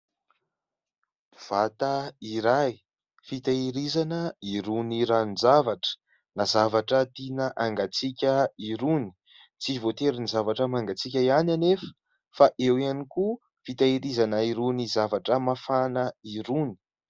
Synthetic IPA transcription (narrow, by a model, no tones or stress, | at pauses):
v̥at̪əiɾaj | fit̪aiɾizanəiɾuniɾanizavaʈ͡ʂə̥ | nazavaʈ͡ʂət̪inəʔaŋɡat͡sikʲəiɾuni̥ | t͡sivot̪eɾinizavaʈ͡ʂəmaŋɡat͡sik̬ʲaiananefə̥ | faʔewianiku | fit̪aiɾizanəiɾunizavaʈ͡ʂəmafanəiɾuni̥